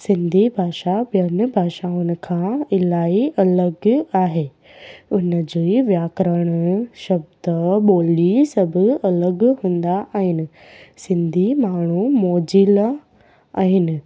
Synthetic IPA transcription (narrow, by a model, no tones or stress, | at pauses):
sɪ̃nd̪ʱibʱaːʃaɓijən̆bʱaːʃaːʊnɪ̆kʰãːɪlaːiɐləɡaːɦeː | ʊnə̆d͡ʑiːʋjaːkɾəɽ̃ʃɐbd̪əɓoːlisɐbʱʊ̆ɐləɡɦũːn̆d̪aʔaːɦɪnɪ̆ | sɪ̃nd̪ʱimaːɳ̤̃umoːd͡ʑila | aːɦɪnɪ̆